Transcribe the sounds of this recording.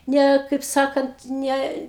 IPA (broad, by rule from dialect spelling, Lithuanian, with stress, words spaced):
ˈnʲɛ kɐɪp ˈsɑːkɐnt ˈnʲɛ